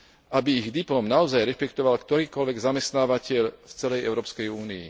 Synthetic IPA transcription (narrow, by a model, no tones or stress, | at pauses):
ʔabiːɣd̪iplɔːmnaɔzajɾɛʃpɛkt̪ɔʋalkt̪ɔɾiːkɔlʋɛɡzamɛst̪naːʋacɪɛʎft͡sɛlɛjɛʊɾɔːpskɛjuːniḭ